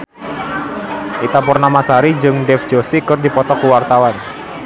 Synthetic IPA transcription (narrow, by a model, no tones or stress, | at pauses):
ʔit̪apurnamasaɾid͡ʒɨŋdɛfd͡ʒosikərdipɔt̪ɔkuwart̪awan